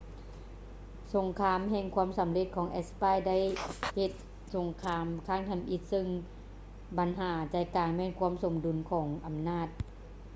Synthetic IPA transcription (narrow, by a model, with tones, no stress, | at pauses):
so˨˩˦ŋkʰaː˧˥˨mhɛː˧˨ŋkʰu˧˥ə˨msa˨˦mle˧t̪̚kʰɔː˨˦ŋʔɛ˧spaː˧˨jda˥˨jhe˧t̪̚ | so˨˩˦ŋkʰaː˧˥mkʰaː˧˥˩ŋt̪ʰɛ˧˩mʔi˧t̪̚sɯ˧˨ŋ | ba˨˦nɦaː˩˦t͡ɕa˨˩jkaː˨˩ŋmɛː˧˥˨nkʰu˧˥˨mso˩˦mdu˨˩˦nkʰɔː˩˦ŋʔa˨˩mnaː˥˩t̪̚